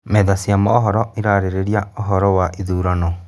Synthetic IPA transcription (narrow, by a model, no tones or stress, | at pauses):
mɛðasiamɔːɦɔɾɔiɾaɾeɾeɾiaoɦɔɾɔwaʔiðuːɾanɔ